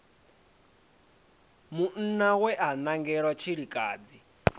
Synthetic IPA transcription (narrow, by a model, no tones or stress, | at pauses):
mun̩nawɛʔanaŋɡɛɺwat͡ʃʰiɺikʼaːd͡zi